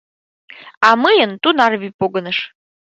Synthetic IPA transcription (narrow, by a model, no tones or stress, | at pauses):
amɨjənt̪unarvipʼoɡənɨʂ